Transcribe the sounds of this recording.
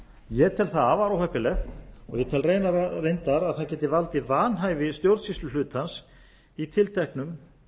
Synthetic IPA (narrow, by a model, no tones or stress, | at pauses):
jɛt̪ʰɪlθaðavaɾowhɛpɪlɛft̪ɔ̰ɣjɛt̪ʰɛlrejnaɾarejnt̪aɾaðθaðcɛːt̪ɪvalt̪ɪvaːnɦaːjvɪst̪jowɾt̪sist̪ʏlʏːt̪hans | it̪ʰɪlt̪ʰajhknʏm